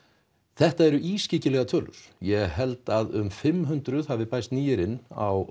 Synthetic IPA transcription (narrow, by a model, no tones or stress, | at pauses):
θɛht̪aɛɾʏʔiːscɪːcɪlɛɣat̪ʰœːlʏ̰ɾ̥jɛɣɦɛlt̪aðʏmfɪmːɦʏnt̪ɾʏðhavɪpajst̪niːjɪɾɪnːa̰w